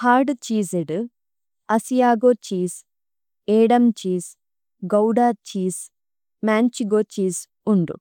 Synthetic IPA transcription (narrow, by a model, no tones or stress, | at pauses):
haːɾɖt͡ʃiːzeɖ | ɐsijaːɡoːt͡ʃiːz | eːɖɐmt͡ʃiːz | ɡɐwɖaːt͡ʃiːs | maːnt͡ʃiɡoːt͡ʃiːz | uɳɖṵ